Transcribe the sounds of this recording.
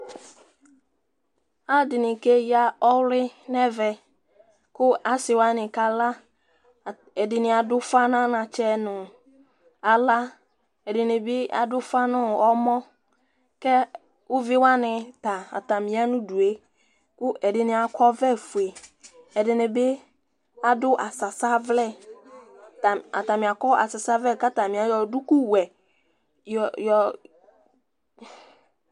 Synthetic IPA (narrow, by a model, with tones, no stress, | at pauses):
a˦dɪ˨nɪ̃˨ke˦ja˦ɔ˦wlɪ˦nɛ˦vɛ˨ | kʊ˦a˨sɪ˨wa˦nɪ̃˨ka˨la˦˨ | ɛ˨dɪ˨nɪ̃˨a˨dʊ˦fa˦nã˦nã˨t͡ʃɛ˦nʊ̃˨ | a˨la˦ | ɛ˨dɪ˨nɪ̃˨bɪ˦a̰˨dʊ˦fa˦nʊ̃˦ɔ˦mɔ˦ | kɛ˦ | ʊ˦vɪ˦wa˦nɪ̃˨ta˨a̰˨ta˨mĩ˨˦a˦nʊ̃˦du˨e˦ | kʊ˦ʔɛ˨dɪ˨nɪ˨a˨kʰɔ˦vɛ˦fu˨e˨ɛ˨dɪ˨nɪ˨bɪ˦ | a˨dʊ˦ʔa˨sa˨sa˦vlɛ˦˨ | ta˨a̰˨ta˨mɪ̃˨a˨kɔ˦a̰˨sa˨sa˦vɛ˦˨ka˦ta˨mĩ˨a˨jɔ˨dʊ˦kʊ˦wɛ˨ | jjɔ˨